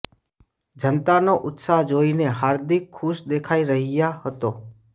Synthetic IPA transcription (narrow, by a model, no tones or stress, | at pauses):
d͡ʒənt̪anoʔʊt̪saɦd͡ʒoːineɦaːɾd̪ɪkʰːʊʃd̪eːkʰaːiɾəɦijahət̪oː